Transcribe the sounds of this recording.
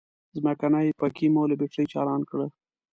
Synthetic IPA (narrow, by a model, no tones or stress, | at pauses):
zmakanajpakimoləbeʈəjt͡ʃɑ̰lɑnkɽə